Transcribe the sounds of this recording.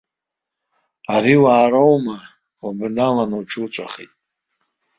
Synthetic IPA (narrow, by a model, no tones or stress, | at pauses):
aɾiwaːɾowma | abɨnalanowʈ͡ʂʰult͡ʃʷʼa̰χḭtʼ